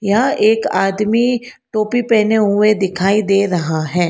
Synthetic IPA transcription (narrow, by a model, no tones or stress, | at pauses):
jaeːkaːd̪miʈoːpipɛːneɦʊed̪ɪkʰaːid̪eːɾɐɦaɦɛ̃ː